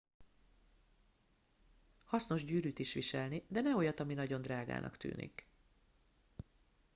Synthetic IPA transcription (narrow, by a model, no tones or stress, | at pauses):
hɒsno̞ʒɟyːɾyːt̪iʃʋiʃɛlnid̪ɛnɛo̞jɒt̪ɒminɒɟo̞nd̪raːɡa̰ːnʔɒ̰kt̪y̰ːnḭk